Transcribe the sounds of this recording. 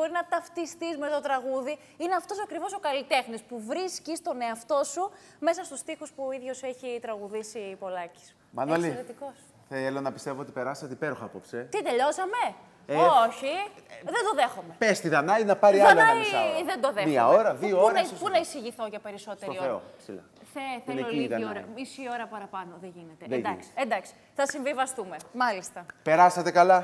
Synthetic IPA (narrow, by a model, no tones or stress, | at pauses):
b̥o̞ɾinɐt̪ɐft̪ist̪izmet̪o̞t̪ɾɐɣuði | ineɐft̪o̞soɐkɾivo̞so̞kɐlit̪e̞xnispuvɾiscist̪o̞ne̞ɐft̪o̞su | me̞sɐst̪ust̪ixuspuoiðʝo̞seçit̪ɾɐɣuðisipo̞lɐci̥s | mɐ̰nolsieɾet̪iko̞s | θelonɐpi̥st̪e̞voot̪i̥peɾɐsɐt̪eipeɾuxɐɐpopset̪id̪e̞ʎo̞sɐme̞ | oçiðend̪o̞ðe̞xome̞pest̪iðɐnɐinɐpɐɾiɐɐlnɐiðend̪oðemiɐ̰oɾɐðiounɐpunɐisiʝiθoʝɐpe̞ɾiso̞tseoθeosilɐ̰ | θeθeneloikɐoɾɐmisio̞ɾɐpɐɾɐpɐno̞ðeʝinet̪eðed̪ɐksi̥end̪ɐksi̥ | θɐsiɱvivɐst̪ume̞mɐlist̪ɐpe̞ɾɐsɐt̪ekɐlɐ